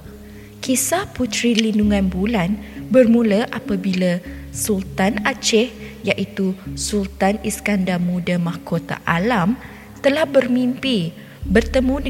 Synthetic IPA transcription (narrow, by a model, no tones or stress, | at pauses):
kisahput̪ɾilinduŋãnbulanbərmũləʔapabilasult̪anat͡ʃɛh | jaʔit̪usult̪aniskandamũdamahkot̪a̰ʔalam | t̪əlahbərmimpi | bərt̪əmũ